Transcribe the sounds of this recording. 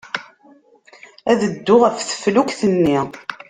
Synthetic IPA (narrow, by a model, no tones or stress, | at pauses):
æðəd̪ːʊʁəfθə̥flukθənːi